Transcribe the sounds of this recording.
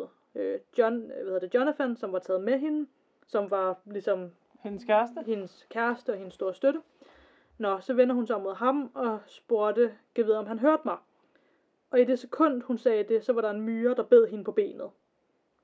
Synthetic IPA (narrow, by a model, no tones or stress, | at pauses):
ønʋæheðˠɐde̝djonæfænsɒ̽mʋɑ̈t͡sʰɛ̰ːð̞̩ˠmeɦe̝nə | sɒ̽mʋɑ̈lisɒ̽m | henəskʰæɐsd̥əhe̝nəskʰæɐsd̥əɒ̽he̝nəsːd̥o̝ːɐsd̥øɾə | nɒ̽sɒ̽ʋen̰dɐhunsɑmoðˠɦɑ̈mɒ̽sb̥oɐd̥əɡ̥eʋið̩ˠɒ̽mɦænɦøɐd̥mɑ̈ɪ | ʔɒ̽ide̝sekʰɔ̽n̰d̥hunsɛːd̥e̝sɒ̽ʋɑ̈ɾɑ̈e̝nmyːɐd̥ɑ̈b̥e̝ð̞̰ˠɦe̝nəpʰɒ̽b̥e̝̰ːnð̞̩ˠ